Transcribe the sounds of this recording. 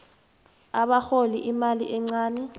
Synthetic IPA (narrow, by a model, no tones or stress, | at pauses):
aɓaxolḭʔimalḭʔɛŋ͡ǀaːnɛ